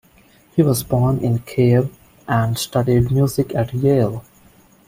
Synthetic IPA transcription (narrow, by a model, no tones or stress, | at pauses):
hiːʋɔzbɔːnʔɪ̃nkʰeːʋ | ʔæ̃ɳɖsʈʌɖiɖmjuːzɪkʰæʈjeːl